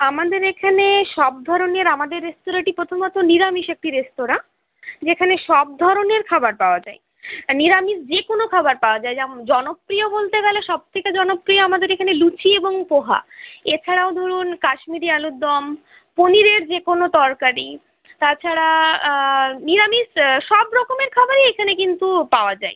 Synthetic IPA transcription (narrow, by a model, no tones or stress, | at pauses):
amad̪eɾekʰaneʃɔb̚d̪ʱɔɾoneɾamad̪eɾːesʈoɾaʈipɾot̪ʰomɔt̪oniɾamiʃek̚ʈiɾesʈoɾa | d͡ʑekʰaneʃɔb̚d̪ʱɔɾoneɾkʰabaɾpaoad͡ʑae | niɾamisd͡ʑekonokʰabaɾpaoad͡ʑajad͡ʑɔnopːɾijobolt̪eɡɛleʃɔb̚t̪ʰeked͡ʑɔnopːɾioamad̪eɾekʰanelut͡ɕieboŋpoɦa̰et͡ɕʰaɽaod̪ʱoɾunkaʃmiɾialud̪d̪ːɔm | poniɾeɾd͡ʑekonot̪ɔɾkaɾi | t̪at͡ɕʰaɾa | niɾamiʃʃɔbɾɔkomeɾkʰabaɾiekʰanekint̪upaoad͡ʑae